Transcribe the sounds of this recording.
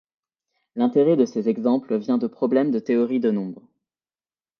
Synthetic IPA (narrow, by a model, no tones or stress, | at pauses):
lɛ̃t̪eʁɛd̪əsezɛɡzɑ̃pləvjɛ̃d̪əpχɔblɛmd̪ət̪eɔʁid̪ənɔ̃bʁ